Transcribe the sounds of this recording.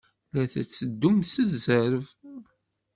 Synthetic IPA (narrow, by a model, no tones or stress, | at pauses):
læθæ̰t͡sːəd̪ːumθəzəɾv